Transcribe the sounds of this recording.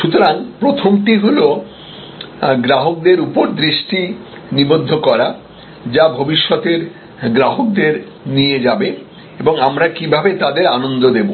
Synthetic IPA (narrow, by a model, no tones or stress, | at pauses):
ʃut̪oɾaŋpɾot̪ʰomʈiɦulo | ɡɾaɦok̚d̪eɾupoɾd̪ɾiʃʈi | nibod̪ʱːokɔɾa | d͡ʑabʱobiʃːɔt̪eɾ | ɡɾaɦok̚d̪eɾ | nied͡ʑabe | eboŋamɾakibʱabet̪ad̪eɾanond̪od̪ebo